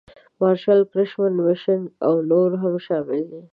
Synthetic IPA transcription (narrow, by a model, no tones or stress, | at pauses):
mɑɾʃalkɾɪʃmənmɪʃənawnoɾɦamʃɑmɪld̪i